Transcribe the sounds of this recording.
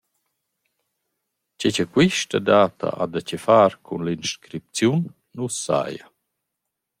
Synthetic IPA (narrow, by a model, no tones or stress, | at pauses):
t͡ɕet͡ɕəkwiʃtad̪aːt̪ʰa̰ʔad̪at͡ɕefaɾkʰunlinʃkɾip̚t͡sjunː | usːa̰ja